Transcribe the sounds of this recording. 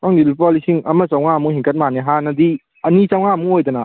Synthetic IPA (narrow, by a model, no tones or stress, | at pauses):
kaŋdilpɔlisiŋɐmɐt͡ʃawŋamuhiŋkʰɐt̚maniɦanɐdi | ɐnit͡ʃawŋamuojdɐnɐ